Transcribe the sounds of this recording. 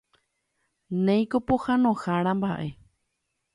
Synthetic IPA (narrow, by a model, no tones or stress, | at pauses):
nẽj̃kopohanõxaɾãmbaʔe̞